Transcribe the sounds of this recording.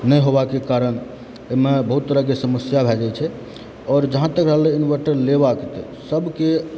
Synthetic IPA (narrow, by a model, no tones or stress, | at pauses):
nəjɦobakekaɾən | emebəɦut̪ːəɾəkesəməsjabʱɛd͡ʒat͡ʃʰɛ | ɔɾd͡ʒəɦãt̪əkɾəɦleinʋəɾʈəɾleβaket̪ɔ̰ | səbʱke